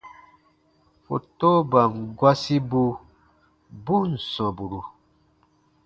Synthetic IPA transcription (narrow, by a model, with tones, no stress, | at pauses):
fo̰˨to˦ba˨ŋ˨ɡwa˦si˦bu˧ | bu˦n̩˨sɔ̃˨bu˨ɾu˨